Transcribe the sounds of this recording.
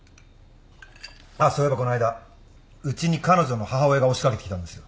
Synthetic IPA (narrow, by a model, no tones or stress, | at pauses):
aːsoːe̞bako̞noaid̪a | ɯ̟t͡ɕiɲ̟ikano̞ʑo̞no̞haɦao̞e̞ɡao̞ɕi̥kake̞t̪ekʲi̥t̪ãnd̪e̞sɨjo̞